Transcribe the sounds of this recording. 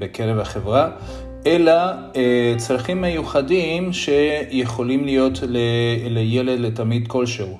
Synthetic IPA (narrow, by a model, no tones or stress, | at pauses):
beke̞ʁevhaχevʁa | ʔe̞la | et͡sʁaχimːe̞juχadimʃe̞je̞χo̞limlijo̞tleleje̞le̞d̪le̞tamid̪ko̞lʃeu